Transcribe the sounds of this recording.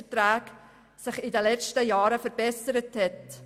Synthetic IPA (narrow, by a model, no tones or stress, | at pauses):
ətɾæːk | sɪχɪdəlɛt͡ʃtəjɑːɾəfəɾb̥ɛsəɾəthɛt